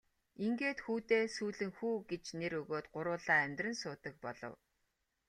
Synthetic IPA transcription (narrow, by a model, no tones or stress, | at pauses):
iŋɡeːt̪xuːt̪eːsuːɮɘ̆ŋxuːɡet͡ɕneɾɵɣoːt̪ɢʊɾʊːɮaːæmʲt̪rə̆nsʊːt̪ə̆k̚pɔɮɞ̰̆w